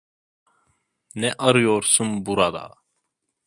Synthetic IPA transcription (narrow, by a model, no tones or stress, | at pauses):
nɛʔɑɾɯjoɾsunbuɾad̪a̰